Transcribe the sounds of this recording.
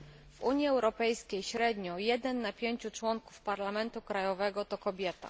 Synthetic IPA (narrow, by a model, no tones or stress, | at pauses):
v̥uɲjiɛwɾɔpɛjskʲejɕɾɛd̪ɲɔjɛd̪ɛnːapʲjeɲt͡ɕut͡ʂwɔŋkufpaɾlamɛnt̪ukɾajɔvɛɡɔt̪ɔkɔbʲjɛt̪a̰